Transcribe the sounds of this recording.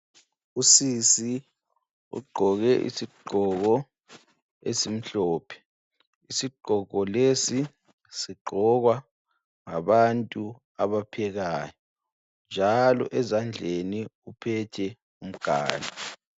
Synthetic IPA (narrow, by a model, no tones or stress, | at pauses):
usisi | ṵɡ͡ǃʱɔɣɛʔḭsiɡ͡ǃʱɔɣɔ | esim̩ɬɔːpʰɛ̥ | isiɡ͡ǃʱɔɣɔlesi | siɡ͡ǃʱɔɣwa | ŋa̰βantʼu | aβapʰɛɣaːjɔ | nd͡ʒʱalɔ̰ʔɛzand͡ɮʱeniupʰɛtʰɛ | um̩ɡ̥ʱa̰ːla